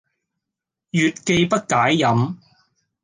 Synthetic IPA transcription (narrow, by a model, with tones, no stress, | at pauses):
jyː˨t̚ke˧jpɐ˥t̚kaː˨˥jːɐ˨˥m